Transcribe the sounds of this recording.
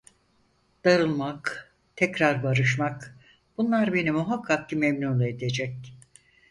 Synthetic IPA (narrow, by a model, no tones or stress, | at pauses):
d̪̥aɾɯlˠmak | t̪ʰɛcɾaɾbaɾɯʃmak | b̥unlˠaɾbe̞nimuɦakʰːak̚cimɛmnunled̪e̞d͡ʒɛc̚